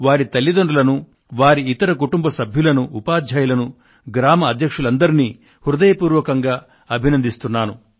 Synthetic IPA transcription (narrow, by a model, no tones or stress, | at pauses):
ʋaːɾit̪ɐlːid̪oɳɖulɐnu | ʋaːɾiit̪ɐɾɐkuʈumbɐsɐbʱjulɐnuʔːpaːd̪ʱjaːjulɐnu | ɡɾaːmɐɐd̪ʱjɐkʂulɐnd̪ɐɾiniː | huɾud̪ɐjɐpuːɾʋɐkɐŋɡaː | ɐbʱinɐnd̪ist̪unːaːnu